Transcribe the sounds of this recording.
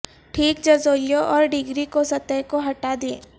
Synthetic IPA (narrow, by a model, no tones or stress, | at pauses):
ʈʰiːkd͡ʒɐzoːljoʔɔːɾɖɪɡɾikosɐt̪əjkoɦɐʈad̪ẽː